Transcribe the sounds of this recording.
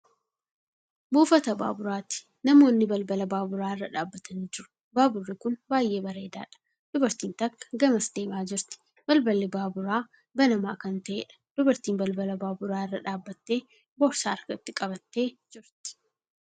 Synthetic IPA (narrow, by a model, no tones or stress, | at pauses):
buːfɐt̪ɐba̰ːbʊɾaːt̪ɪ̥ | nɐmo̞ːnːɪbɐlbɐlɐbaːbʊɾaːɪrːɐᶑaːbːɐt̪ɐniːd͡ʒɪɾʊ̥ | baːbʊrːɪkʊnbaːjʔe̞ːbɐɾeːd̪a̰ːᶑɐ̥ | d̪̥ʊbɐɾt̪iːnt̪ɐkːɐ̥ɡɐmɐsd̪e̞ːbaːd͡ʒɪɾt̪ɪ̥ | b̥ɐlbɐlːɪbaːbʊɾaː | bɐnɐmaːkɐnt̪ɐʔḛːᶑɐ̥d̪̥ʊbɐɾt̪iːmbɐlbɐlɐbaːbʊɾaːɪrːɐᶑaːbːɐt̪ːe̞ː | bɔɾsaːɐɾkɐt̪ːɪkʼɐbɐt̪ːe̞ːd͡ʒɪɾt̪ɪ̥